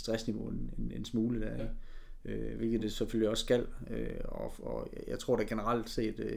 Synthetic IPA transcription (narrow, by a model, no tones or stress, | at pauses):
sd̥ʁasniʋo̝enene̝nsmuːləd̥æɐe̥ | ʔøʋe̝lɡ̥ð̩ˠd̥e̝seføl̰liɒ̽sːɡ̥æl̰øɒɒjɑ̈ɪt͡sʰʁo̝ɐ̰d̥æɡ̥e̝nəʁal̰d̥se̝̰ːd̥